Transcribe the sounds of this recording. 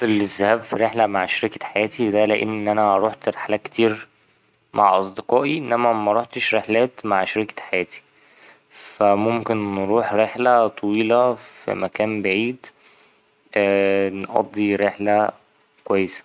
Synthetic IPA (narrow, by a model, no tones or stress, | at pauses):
elezːæhæːbfiɾeħlæmaʕʃɾikæħajæːt̪id̪æleʔenːʔænæɾˤoːħt̪ɾeħlækt̪iːɾ | mʔa̰ʕʔɑsˤd̪eqɑːʔiʔenːæmæmæɾˤoħt̪eʃɾeħlæːt̪maʕʃɾikæ̥ħajæːt̪i̥ | fæmomkenːɾuːħɾeħlæt̪ˤʰɑwiːlɑfḭmækæːnbaʕiːd̪ | nʔɑ̰d̪ˤːiɾeħlæ | kowæjːesæ̥